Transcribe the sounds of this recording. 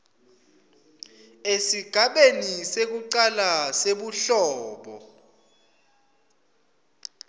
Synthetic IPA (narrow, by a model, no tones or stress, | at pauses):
esiɡ̥ʱaɓenisek̬uǃalaseɓuɬɔːɓɔ̰